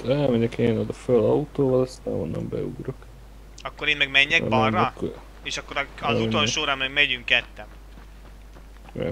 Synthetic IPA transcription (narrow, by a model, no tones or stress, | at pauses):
t̪ɛlmɛɲɛkeːnod̪ɒfølɒut̪oːvɒlɛst̪a̰ːno̰nnɛ̰mbɛ̰uɡɾok | ɒkːoɾeːnmɛɡmɛɲːɛkb̪rːɒɛkː | eːʃɒkːoɾɒzut̪onʃoːɾɑmːɛɡmɛɟyŋkːɛt̪ːɛm | ɛ̰